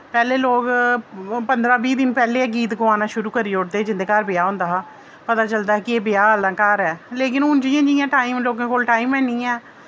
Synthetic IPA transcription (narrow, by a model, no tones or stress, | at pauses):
pɛːleːloːɡ | pənd̪ɾãːbiːd̪ɪnpɛːleːɡiːt̪ɡʊaːnaːʃʊɾuːkəɾiːoːɽd̪eːd͡ʒɪnd̪eːkaɾbɪjaːɦʊ̃nd̪aːɦaː | pət̪aːt͡ʃəld̪aːɦɛːkɪeːbɪjaːəlãːkaːɾɛːleːkɪnɦʊnd͡ʒɪjãːd͡ʒɪjãːʈaːiːmloːkãːkoːlʈaːiːmɛ̃ːniːɛ̃ː